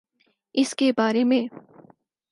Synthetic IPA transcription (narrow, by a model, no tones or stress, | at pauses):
ɪskebaːɾemẽ